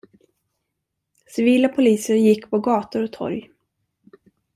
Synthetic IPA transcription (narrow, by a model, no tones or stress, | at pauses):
sɪviːlapʰʊliːsəɾjɪkːpʰɔɡɑːt̪ʊɾɔt̪ʰɔ̰ɾj